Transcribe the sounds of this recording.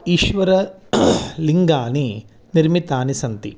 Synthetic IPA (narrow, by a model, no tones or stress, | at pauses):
iːʃʋɐɾɐ | liŋɡaːni | niɾmit̪aːnisɐnt̪i